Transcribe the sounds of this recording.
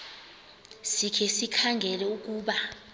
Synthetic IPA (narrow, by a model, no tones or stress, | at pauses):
sikʰɛsikʰaŋɡʱɛlɛuk̬uːɓa